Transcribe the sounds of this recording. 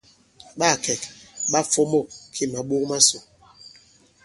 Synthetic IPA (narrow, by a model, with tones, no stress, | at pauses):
ɓa˦˨kɛ˨kɓa˦fɔ˦mɔ˦˨kʰe˦ma˨ɓo˦kma˦so˨